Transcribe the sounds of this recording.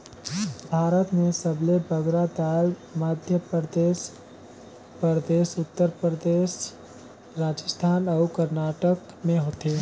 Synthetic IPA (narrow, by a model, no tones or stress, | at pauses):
bʱaːɾət̪mẽsəblebəɡɾad̪aːlmaːd̪ʱjəpəd̪eːs | pəɾd̪eːʃʊt̪ːəɾpɾəd̪eːʃ | ɾaːd͡ʒəst̪ʰaːnɔkəɾnaːʈək | mẽɦoːt̪eː